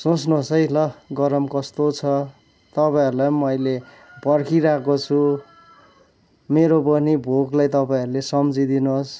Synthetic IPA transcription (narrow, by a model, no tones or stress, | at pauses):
sot͡snosʌjlʌɡʌɾʌmkʌst̪ot͡sʰʌ | t̪ʌpaiʌɾulajmʌjle | pʌrkʰiɾakot͡sʰu | meɾopʌnibʱoklajt̪ʌpaĩʌɾulesʌmd͡zid̪inos